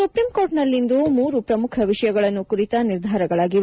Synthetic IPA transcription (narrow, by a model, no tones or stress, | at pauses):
supɾimko̞ːɾʈnɐlːind̪umuːɾupɾɐmukʰɐʋiʂɐjɐɡɐɭɐnːukuɾit̪ɐniɾd̪ʱaːɾɐɡɐɭaːɡi